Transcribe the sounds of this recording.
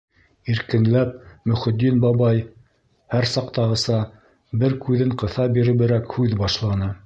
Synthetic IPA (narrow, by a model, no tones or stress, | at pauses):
iɾkɘ̆nlæp̚mɵ̆χɘ̆d̪ːinbɑβɑj | hæɾsɑqt̪ɑʁɤ̆sɑ | bɘɾkʉðɘɴqɤ̆θɑbiɾɘ̆βɘ̆ɾækhʉðbɑʃlˠɑnɤ